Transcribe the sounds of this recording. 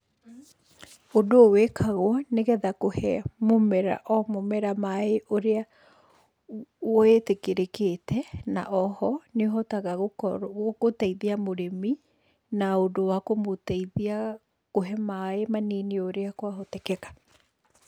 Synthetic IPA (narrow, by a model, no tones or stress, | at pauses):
odoːwekʰaɣwɔneɣɛðakohɛmomɛɾa̰ʔɔmomɛɾamaeʔoɾea | wɔetekeɾeketʰɛna̰ʔɔhɔneoɦɔtaɣaɣookotaiðiamoɾemi | naondowakomotiða | koɦɛmaemanenioɾeakwaɦotɛkɛɣḁ